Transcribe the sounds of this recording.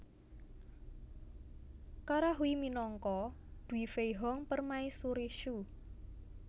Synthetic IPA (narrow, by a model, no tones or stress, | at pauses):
kaɾaɦuiminɔŋkɔd̪̥uifejɦɔŋpərmaisuɾiʃu